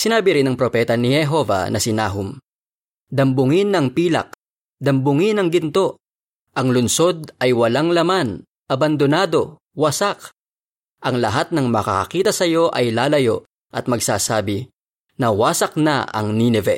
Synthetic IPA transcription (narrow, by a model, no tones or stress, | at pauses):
sɪnaːbɪɾɪnːɐŋpɾo̞pɛt̪ɐnɪhɛɦo̞vɐ̰nʔɐsɪna̰ːɦʊm | d̪ɐmbʊŋɪnːɐŋpiːlɐ̰k̚ | d̪ɐmbʊŋɪnɐŋɡɪnt̪o̞ | ʔɐŋlʊnso̞d̪̚ʔɐjwɐlaŋlɐman | ʔɐbɐnd̪onaːd̪o̞ | wɐsak | ʔɐŋlɐɦat̪̚nɐŋmɐkɐ̰kɐ̰kiːt̪ɐsɐjo̞ʔɐjlaːlɐjo̞̰ | ʔɐt̪̚mɐɡsaːsaːbɪ | nɐwaːsɐk̚nɐ̰ʔɐ̰ŋninɛvɛ̰